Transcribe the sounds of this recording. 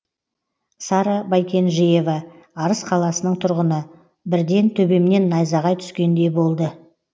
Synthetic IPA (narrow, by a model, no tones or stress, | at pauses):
sɑɾɑbɑjkʲʰe̞nʒije̞vɑːɾəsqʰɑlˠɑsənəɴt̪ʰʊɾʁənə | bɪɾd̪e̞nt̪ʰɵbe̞mne̞nːɑjzɑʁɑjt̪ʰʏ̥skʲe̞nd̪e̞bo̞lˠd̪ə